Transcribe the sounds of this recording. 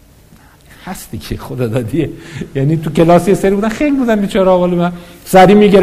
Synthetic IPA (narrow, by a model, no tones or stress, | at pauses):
hæst̪iːcʰexod̪ɒːd̪ɒːd̪iejænit̪ʰucʰelɒːsijeseɾibuːd̪ænxejlibuːd̪ænd̪et͡ʃʰɒːɾːbɒːlemænsæɾiːmiːɡeɾ